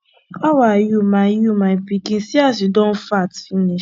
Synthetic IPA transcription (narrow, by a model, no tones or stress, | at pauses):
ɔwajumãjumãpikĩnsiasidõn̩fatfiniʃ